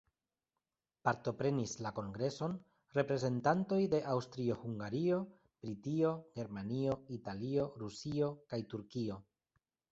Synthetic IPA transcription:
paɾto̞pɾe̞nislako̞ŋɡɾe̞so̞n | re̞pɾe̞ze̞ntanto̞jde̞ʔawstɾio̞huŋɡaɾio̞ | b̥ɾitio̞ɡe̞ɾmanio̞italio̞ɾusio̞kajtuɾkio̞

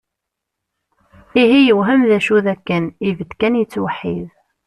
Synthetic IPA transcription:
iɦijəwɦəmðæʃuðækːənivəd̪kænjət͡sːwəħːḭð

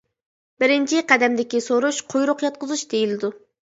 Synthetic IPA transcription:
bɪɾɪnt͡ʃʰiqæd̪ɛmd̪ɪkʲisoɾuʃqʰojɾʊqjɑt̪̚qəzuʃd̪ejilɪd̪u

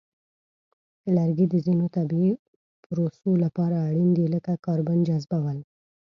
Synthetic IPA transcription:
laɾɡid̪əzinot̪abi | pɾosolapɑɾaːɽind̪iləkakɑɾband͡ʒazbawəl

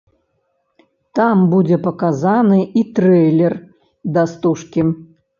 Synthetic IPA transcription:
t̪ambud͡zʲɛpɐkazanɨʔit̪ɾɛjlʲɛr | d̪ast̪uʂkʲim

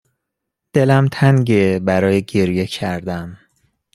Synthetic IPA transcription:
d̪̥e̞læmt̪ʰæŋɟebæɾɒːjeɟeɾje̞cʰæɾd̪æm

